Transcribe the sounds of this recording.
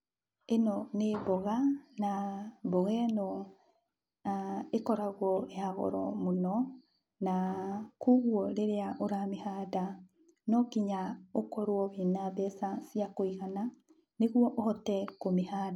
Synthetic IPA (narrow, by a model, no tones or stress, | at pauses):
enɔneβɔɣanaboɣɛnɔ | ekɔɾaɣwɔehaɣɔ̰ɾɔ̰monɔ | nakuɣwɔɾeɾeaʔoɾamehada | nɔkiɲaokɔɾwɔβinaβɛsasiakoiɣana | neɣwɔʔohɔtɛkomehada